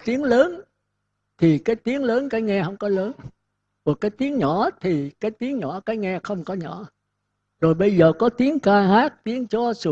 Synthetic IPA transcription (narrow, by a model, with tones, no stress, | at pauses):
t̪i˨˦əŋləː˨˦n | t̪ʰi˨˩kaː˨˦jt̪i˨˦əŋləː˨˦nkaː˨˦jŋɛ˧hə˧wŋ͡mkɔ˨˦ləː˨˦n | kɔ˨˩k̚ːaː˨˦jt̪i˨˦əŋɲɔ˧˩t̪ʰi˨˩kaː˨˦jt̪i˨˦əŋɲɔ̰˧˩kaː˨˦jŋɛ˧xə˧wŋ͡mkɔ˨˦ɲɔ̰˧˩ | zo˨˩jɓə˧jzəː˨˩kɔ˨˦t̪i˨˦əŋkaː˧haː˦˥k̚t̪i˨˦əŋt͡ɕɔ˧˦su˨˧˩